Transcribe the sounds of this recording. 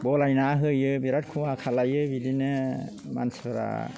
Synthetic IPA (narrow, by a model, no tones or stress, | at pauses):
bɔlajnaɦɯjɯbiɾat̚kʰuwakʰalajɯbidinɯ | ma̰nsbɯɾa̰